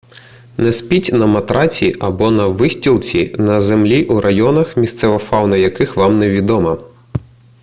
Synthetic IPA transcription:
nɛspʲitʲnɐmɐt̪ɾɑt͡sʲiʔɐbɔnɐʋɪsʲtʲilˠt͡sʲinɐzemlʲiʔuɾʔɐjɔnɐxmʲist̪sɛʋɐfɑwnɐjɐkɪxʋɑmnɛʋʲid̪ɔmɐ

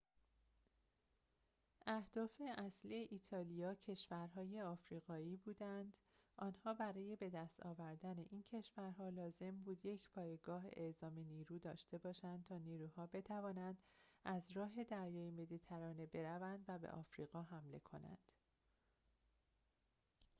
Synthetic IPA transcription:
ʔæhd̪̥ɒːfe̞ʔæslieʔiːt̪ʰɒːlijɒːcʰe̞ʃvæɾɦɒːje̞ɒːfɾiːɣɒːiːbuːd̪ænd̪ | ʔɒːnhɒːbæɾɒːje̞be̞d̪æst̪ɒ̰ːvæɾd̪æne̞ʔiːncʰe̞ʃvæɾɦɒːlɒːze̞mbuːd̪je̞cʰpʰɒːjeɡɒːɦezɒːmeniːɾuːd̪ɒːʃt̪e̞bɒːʃænd̪̚t̪ʰɒːniːɾuːhɒːbe̞t̪ʰævɒːnænd̪̥æzɾɒːɦe̞d̪æɾjɒːjemeliːt̪ʰæɾɒːne̞be̞ɾævænd̪væbḛʔɒːfɾḭːɣɒːɦæmle̞̰kʰo̞̰næ̰nd̪̥

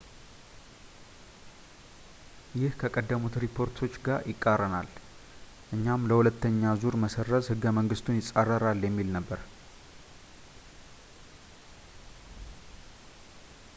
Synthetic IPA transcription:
jɪhkʰəkʼəd̪ːəmut̪ɾipʰo̞ɾt̪ʰo̞t͡ʃːɡaɾjʔɪkʼːarːənal | ʔɨɲːamləhulət̪ʰːəɲːazuɾməsərːəzhɨɡːəməŋɡɨst̪ʰunjɪsʼarːəɾaljɛmːilnəbːəɾ

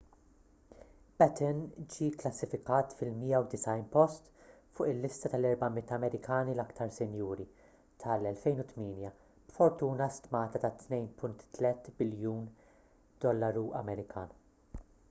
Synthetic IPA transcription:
b̥ɛt̪ɪnd͡ʒiːklɐsːɪfɪkɐːt̪fɪlmiːjɐwd̪ɪsɐjnpɔst̪fʊːʔɪlːɪst̪ɐt̪ɐlɛɾbɐmɪt̪ːɐmɛɾɪkɐːnilɐkt̪ɐɾsɪnjuːɾi | t̪ʰɐlɛlfɛjnʊt̪miːnjɐ | b̥fɔɾt̪uːnɐst̪mɐːt̪ɐt̪ɐt̪nɛjnpʰʊnt̪ːlɛt̪bɪljuːn | d̪̥ɔlːɐɾuɐ̰mɛɾɪkʰɐ̰ːnu

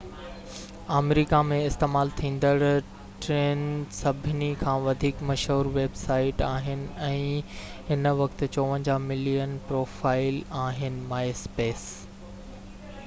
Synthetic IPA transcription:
aːmɾiːkamẽɪst̪eːmaːlt̪ʰĩːnd̪əɽ | ʈɾeːnsɐbʱɪnikʰãːʋɐd̪ʱiːkmɐʃɦuːɾʋeːbsaːɪʈaːɦɪnɪ̆ɛ̃ːɦɪnʋɐkt̪t͡ɕoːʋə̃nd͡ʑamɪlijənpɾoːfaːɪlaːɦɪnɪ̆maːespeːs

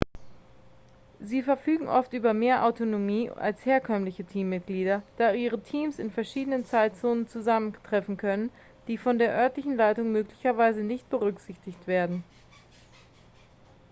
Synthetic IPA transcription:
ziːfɛɐfyːɡŋ̩ʔɔftʔyːbɐmeːɐʔa̰ʊtonomiːʔa̰lsheːɐkʰœmlɪçətʰiːmːɪt̚ɡ̥liːdɐd̥aːʔiːʁ̞ətʰiːmsɪnfɛɐʃiːdənənt͡saɪtt͡soːnənt͡suzaməntʁ̥ɛfn̩kʰœnən | d̥iːfɔndeːɐʔœɐtlɪçn̩laɪtʊŋmøːklɪçɐvaɪzənɪçt̚b̥əʁʏkz̥ɪçtɪçtv̥eːɐdn̩

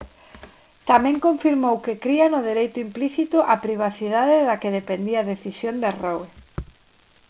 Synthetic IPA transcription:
t̪amɛ̃ŋkoɱfiɾmowkɪkɾianʊðeɾejt̪ʊimpliθit̪ʊʔapɾiβ̞aθiðaðɪðakeðepend̪iaðeθisjond̪aroe

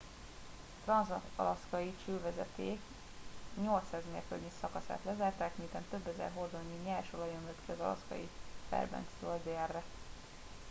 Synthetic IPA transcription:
t̪rɒnzɒt̪ɒ̰lɒskɒjit͡ʃyːlvɛzɛ̰t̪eːk | ɲo̞lt̪saːzmḛrkølɲisɒkɒsa̰ːt̪lɛzaːrt̪aːkmint̪ɛnt̪øbːɛzɛ̰rɦo̞rd̪oɲːiɲɛlʃolɒjømøt̪kiɒzɒlɒ̰skɒ̰jifɛ̰rbɛ̰nst̪øɒdɛrːɛ

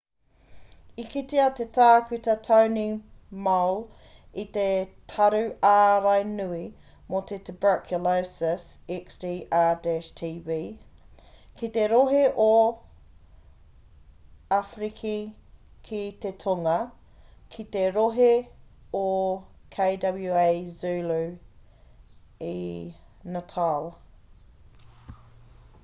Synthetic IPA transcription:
ikit̪eɐt̪etaːkʉt̪ɐtʰɐwnimɐwl | it̪etʰɐɾʉaːɾɐjnʉi | mot̪ʰet̪ʰəbə˞kʰjulosəsiksdiːʔadɛʃtʰiːviː | kit̪eɾoɦeʔo | afɾikʰikʰit̪etʰoŋɐ | kʰit̪eɾoɦeokʰeɪdɐbljuejzʉːlʉ | i | nɐtʰal

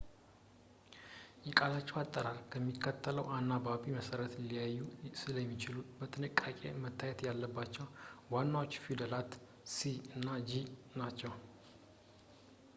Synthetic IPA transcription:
jɛkʼalat͡ʃːɛwat̪ʼːəɾalkʰəmːikʰːət̪ʰːələwʔanːabaβiməsəɾət̪ɨlijajːusɨləjɛmːit͡ʃɪlubət̪ʰɨnɨkʼːakʼe̞̰mət̪ʰːajɛt̪jalːəbːat͡ʃːɛwwanːawot͡ʃːfid̪əlat̪ | siɨnːad͡ʒinat͡ʃːɛw

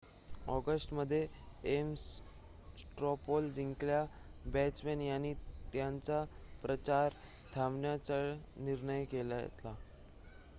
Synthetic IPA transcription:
ɔɡəsʈməd̪ʱːjeems | sʈɾɔpold͡ʑiŋkɭjabɛt͡smenjanːiːt̪jant͡sapɾət͡ɕaɾ | t̪ʰamɳjat͡səɭniɾɳəjkelajḛt̪la

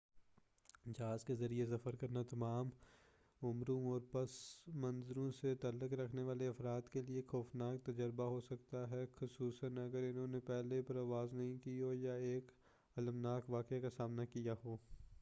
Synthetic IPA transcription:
d͡ʒaːzkezɐɾies̬ɐfəɾkɐɾnat̪ɐmaːm | ʊmɾõɔːɾpɐsmɐ̃nzɾõset̪ɐlʊkɾɐkʰneʋaːleɐfɾaːd̪keliexɔːfnaːk̚t̪ɐd͡ʒəɾbaɦosɐkt̪aɦɛxʊsuːsənɐɡəɾɪnɦõːnepɛɦlepɐɾaːʋaːznɐɦĩkiɦoːjaeːk | ɐləmnaːkʋaːkakasaːmnakijaɦoː

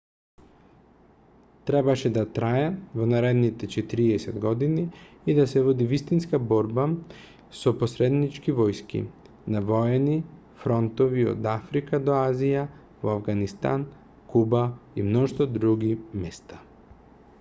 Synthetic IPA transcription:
t̪ɾɛbaʃɛd̪at̪ɾaɛvɔnaɾɛd̪nit̪ɛt͡ʃɛt̪iɾiɛsɛd̪ɡɔd̪iniː | d̪asɛvɔd̪ivist̪inskabɔɾba | soposɾɛd̪nit͡ʃkivɔjskḭ | navɔɛni | fɾɔnt̪ɔvio̰d̪afɾikad̪ɔazija | voavɡanist̪a̰n | kubaimnɔʃt̪ɔd̪ɾuɡimɛst̪ḁ

